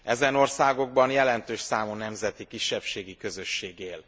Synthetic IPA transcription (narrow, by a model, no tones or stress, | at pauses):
ɛzɛno̞rsaːɡo̞ɡ̚bɒnjɛlɛnt̪øːʃsaːmunɛmzɛt̪ikiʃːɛpʃeːɡikø̞zø̞ʃːeːɡeːl